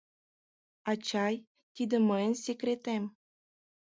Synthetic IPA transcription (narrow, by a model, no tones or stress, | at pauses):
at͡ɕaj | t̪ʲid̪əmənʲsʲekɾet̪em